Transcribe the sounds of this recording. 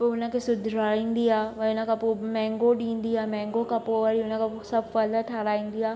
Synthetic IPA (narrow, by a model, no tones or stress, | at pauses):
poʊnə̆kʰesʊd̪ʱɾaːĩːn̆d̪iaːʋɐʊnəkʰãpomɛ̃ːŋɡoɗĩːnd̪iaːmɛ̃ːŋɡokʰãpoʋəɾiʊnəkʰaposɐbʱfɐləʈʰaːɾaːĩːn̆d̪iaː